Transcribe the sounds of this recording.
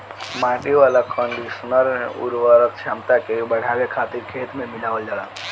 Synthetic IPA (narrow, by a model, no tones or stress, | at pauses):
mãːʈiʋaːlakɔ̃ːɳɖiʃənəɾneʔʊ̰ɾʋaɾət̪ʃaːmt̪akebɐɽ̤aʋekʰaːt̪iɾkʰeːt̪mẽmɪlaːʋəd͡ʒaːɽaː